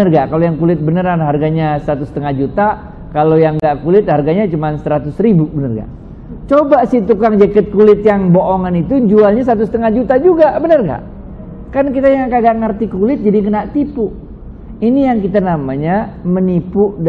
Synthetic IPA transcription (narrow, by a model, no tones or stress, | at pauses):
ərɡakalojaŋkulɪt̪̚bənəɾanɦarɡaɲasəat̪usət̪əŋad͡ʒut̪a | kalojaŋɡaʔkulɪt̪̚harɡaɲat͡ʃumansəɾat̪ʊsɾibubənərɡa̰ | t͡ʃobasɪht̪ukaŋd͡ʒəkət̪̚kulɪt̪̚jaŋboʔoŋanit̪ud͡ʒualɲas̬at̪̬usə̥t̪əŋahd͡ʒut̪ad͡ʒuɡabənərɡa̰ʔ | karnkit̪ajaŋkadaʔŋərt̪ikulɪt̪̚d͡ʒadiŋənaʔt̪ipu | inijaŋkit̪anamaɲamənipʊʔd